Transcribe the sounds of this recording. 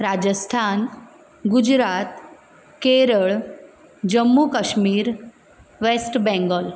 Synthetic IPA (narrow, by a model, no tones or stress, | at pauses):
ɾad͡ʑəst̪ʰan | ɡud͡ʑɾat̪ | keɾəɭ | d͡ʑəmːukəɕmiːɾ | ʋesʈbɛ̃ŋɡəl